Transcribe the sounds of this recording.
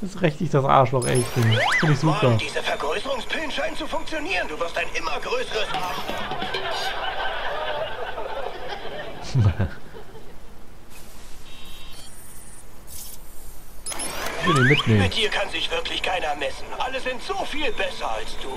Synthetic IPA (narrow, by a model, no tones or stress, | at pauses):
d̥asʁɛçtɪçd̥asʔa̰ɐʃlɔχɛ̰lçənfɪndɪçz̥uːpɐd̥iːzəfɛɐɡʁøʏsəʁʊŋspʰɪlnʃaɪntt͡sufʊŋk̚t͡sjoniːʁənduːvɪɐstaɪnʔɪmɐɡʁøːsəʁəsaχa | m | çv̥ɪliːmɪtneːmɪnt̚d̥iːɐkʰanzɪçv̥ɪɐkʰlɪçkʰaɪnɐmɛsn̩ʔaləzɪntz̥oːfiːlbɛsɐalsd̥uː